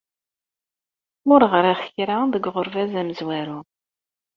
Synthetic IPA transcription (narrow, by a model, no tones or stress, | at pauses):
mʊɾʁəɾaχçɾaðəɡʁʊɾvæzæməzwæɾu